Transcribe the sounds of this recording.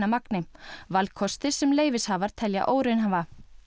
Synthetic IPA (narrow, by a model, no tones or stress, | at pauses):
amaknɪvalkʰɔst̪ɪ̥sɛmleːjvɪshaːvaɾ̥t̪ʰɛlja̰ʔoːwɾɪnɦava